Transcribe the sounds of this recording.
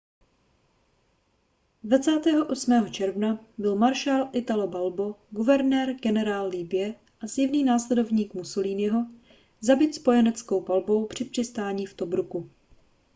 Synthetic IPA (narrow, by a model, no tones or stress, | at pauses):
dvat͡saːt̪ɛːɦo̞ʔo̞smɛːɦo̞t͡ʃɛɾvnabɪlmaɾʃaːlʔɪt̪alobalbo̞ɡuvɛɾnɛːɾɡɛnɛɾaːlːibɪjɛ | ʔazjɪvniːnaːslɛdo̞vɲiːkmuso̞liːnɪɦo̞ | zabɪt̪spo̞jɛnɛt͡sko̞wpalbo̞wpr̝̥ɪpr̥ɪst̪aːɲiːft̪o̞bɾuku